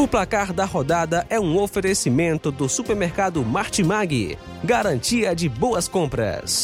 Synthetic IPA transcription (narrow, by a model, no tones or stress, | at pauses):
ʊplakaɾd̪ɐhod̪ad̪ɐʔɛũofeɾesimẽnt̪ʊd̪ʊsupeɾmeɾkad̪ʊmaɾt͡ʃimaɡɪ̰ | ɡaɾɐ̃nt͡ʃiɐd͡ʒɪbowɐskõmpɾɐ̰s